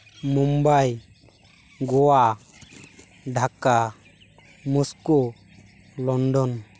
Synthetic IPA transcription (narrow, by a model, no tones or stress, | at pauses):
mumbaj | ɡɔwa | ɖʱaka | musku | lɔnɖɔn